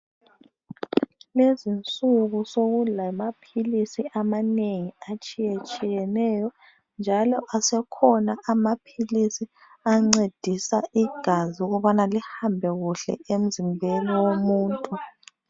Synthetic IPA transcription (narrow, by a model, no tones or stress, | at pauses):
lezint͡sʼuɣusoɣulamapʰilisiʔamaneŋiat͡ʃʼijet͡ʃʼijɛnɛjɔ | nd͡ʒʱalɔʔasɛkʰɔnaʔamapʰilisi | aŋ͡ǀed̥ʱisaiɡ̥ʱaziuɣuβanalihambʱɛɣuɬɛ̰em̩zimbʱɛlɔwomuːntʼu